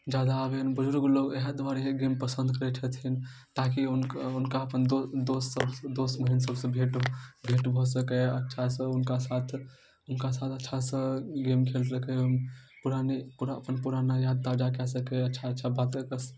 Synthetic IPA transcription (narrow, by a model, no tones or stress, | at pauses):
d͡ʒjaːd̪aːbenbʊd͡ʒɾkoloːɡɛɦəd̪ʋaːɾeɦeɡeːmpəsə̃nd̪ʱkəɾet͡ʃʰət̪ʰin | t̪ak̬iʊnkʊnkaɐpənd̪od̪oːsəbd̪oːsməɦinsəbsẽbʱeʈbʱeːʈbʱɔsəkeɐtːʃʰasə̃ʊnkasaːt̪ʰ | ʊnkasaːt̪ʰətːʃʰasə̃ɡeːmkʰeːlsəkepʊɾanepʊɾapənpʊɾanajaːd̪̚t̪ad͡ʒakɛsəkeɐtːʃʰaətːʃʰabaːt̪̚kəɾkəs